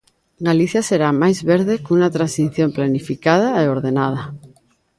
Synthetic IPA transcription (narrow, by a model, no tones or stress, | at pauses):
ɡaliθjaseɾamajzβeɾðekunat̪ɾansiθjomplanifikað̞aeoɾðenað̞a